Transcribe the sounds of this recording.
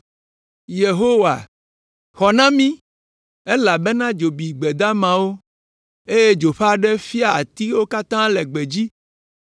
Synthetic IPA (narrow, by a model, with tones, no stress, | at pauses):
je˨ɦo˦wa̰˨ | xɔ˨nã˦mĩ˦ | e˦la˨be˦nã˦d͡ʒo˨bi˨ɡ͡bɛ˨d̪a˦mã˨wo˦ | e˦je˦d͡ʒo˨ɸa˦ɖɛ˦fi˦a˦˨a̰˨t̪i˦wo˦ka˦t̪ã˦lɛ˨ɡ͡be˨d͡ʑi˦